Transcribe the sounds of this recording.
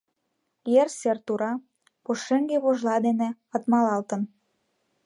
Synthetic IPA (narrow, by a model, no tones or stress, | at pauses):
jersert̪uɾɑ | poʃeŋɡeβoʒlɑd̪ene | ət̪mɑlɑlt̪ə̆n